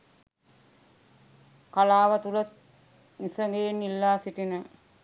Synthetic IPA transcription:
kalaːʋət̪ulət̪̚ | nisəŋɡejenːilːaːsiʈinə

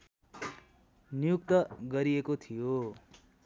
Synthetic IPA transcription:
nijukt̪ʌɡʌɾiekot̪ʰijo

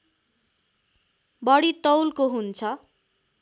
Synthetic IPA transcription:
bʌɽit̪ʌwlkoɦunt͡sʰʌ

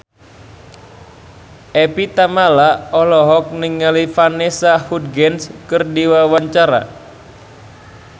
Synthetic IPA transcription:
ʔepit̪amalaɔlɔɦɔk̚nɪŋːalifanesahud̪̚ɡɛnskɨrdiwawaɲt͡ʃaɾa̰

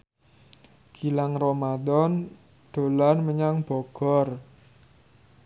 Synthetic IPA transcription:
ɡ̥ilaŋromad̪ɔn | ɖ̪̥o̤lanməɲaŋb̥ɔ̤ɡ̥ɔr

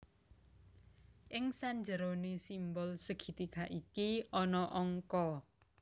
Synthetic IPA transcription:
ʔɪŋsaɲd͡ʒəɾonesimbɔlsəɡ̥i̤t̪ikaʔikiɔnɔʔɔŋkɔ

